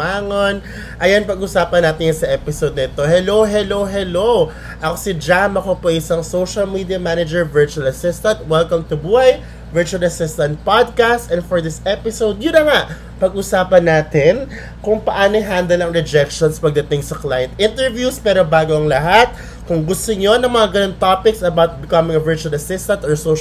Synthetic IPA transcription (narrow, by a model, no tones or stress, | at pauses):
aːŋon | ʔɐjanpɐɡʔʊsaːpɐnːaːt̪ɪnjɐnsɐʔɛpɪsod̪nɛt̪o̞hɛlowɦɛlowɦɛlow | ʔɐkosɪd͡ʒamɐkopojʔɪsɐŋsowʃɐlmid̪iɐmanɐd͡ʒɛɹvɛɹt͡ʃuɐlɐsɪst̪ɐnt̪̚wɛlkɐmt̪ʊbuːhɐj | vɛɹt͡ʃuɐlɐsɪst̪ɐ̃nt̪̚pad̪̚kast̪ɛ̃nfɔɹd̪ɪsɛpɪsowd̪jʊnːɐŋaʔ | pɐɡʔusaːpɐnːaːt̪ɪn | kʊŋpɐʔaːnojɦand̪ɛlɐŋɾɛd͡ʒɛkʃonspɐɡ̚d̪ɐt̪ɪŋsɐklaːjɛ̃nt̪ʔɪnt̪ɛɹvjuspɛːɾobaːɡoɐŋlɐɦat̪̚ | kʊŋɡʊst̪oɲonɐŋmɐŋaɡɐnont̪opɪksɐbawt̪̚bɪkɐmɪ̃ŋɐvɛɹt͡ʃuɐlɐsɪst̪ɐ̃nt̪ɔɹso